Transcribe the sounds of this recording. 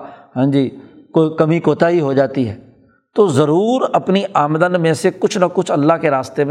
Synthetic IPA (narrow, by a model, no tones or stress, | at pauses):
ɦãːd͡ʒiːkokəmikoːt̪aɦiɦod͡ʒaːt̪iɦɛː | t̪oːzəɾuːɾɐpniʔaːmd̪ənmẽsekʊt͡ʃʰnɐkʊt͡ʃʰɐlːaːɦkeɾaːst̪em